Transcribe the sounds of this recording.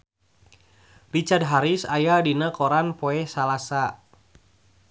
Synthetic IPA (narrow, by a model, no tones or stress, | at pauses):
rit͡ʃard̚ɦaɾisajadinakɔɾanpɔɛsalasa